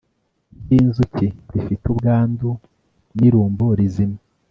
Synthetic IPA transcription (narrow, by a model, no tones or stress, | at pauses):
inzuciɾifitubɡaːndu | niɾuːmboɾizima